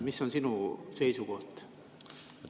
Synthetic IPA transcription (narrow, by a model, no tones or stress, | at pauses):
misːo̞nsinuse̞jsuko̞ht̪